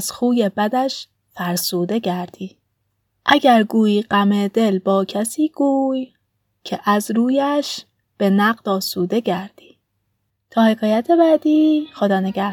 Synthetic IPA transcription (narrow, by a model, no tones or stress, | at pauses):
z̥xuːje̞bæd̪æʃ | fæɾsuːd̪e̞ɟæɾd̪̥iː | ʔæɟæɾɡuːjiːɢæmed̪e̞lbɒːcʰæsiːɡ̥uːj | cʰeʔæzɾuːjæʃ | b̥e̞næɢd̪ɒːsuːd̪e̞ɟæɾd̪̥i̥ː | t̪ʰɒːhe̞kʰɒːjæt̪ʰe̞bæːd̪iːxo̞d̪ɒːneɡæh